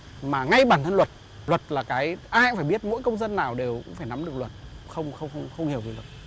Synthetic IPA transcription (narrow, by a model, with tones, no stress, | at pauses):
maː˨˩ŋa˧jɓaː˧˩nt̪ʰə˧nlwə˨˩t̚ | lwə˨˩t̚laː˨˩kaː˨˦jʔaː˧jjfaː˧˩jɓi˦˥ət̚mo̰˧˥jkə˧wŋ͡mzə˧nːaː˨˩wɗe˨˩wkʊ̰˧˥ŋ͡mfaː˧˩jna˨˦mɗɨ˨˩ək̚lwə˨˩t̚xə˧wŋ͡mxə˧wŋ͡mxwŋ͡mxə˧wŋ͡mhi˨˩əwvi˨˦lwə˨˩t̚